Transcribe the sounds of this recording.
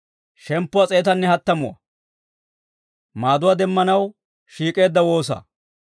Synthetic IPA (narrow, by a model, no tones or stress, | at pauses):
ʃɛmpːʊwɐt͡sʼe̞ːt̪ɐnːɛhɐt̪ːɐmʊwɐ̰ | maːd̪ʊwad̪ɛmːɐnɐw | ʃiːkʼe̞ːd̪ːɐwo̞ːs̬ɐ̰ː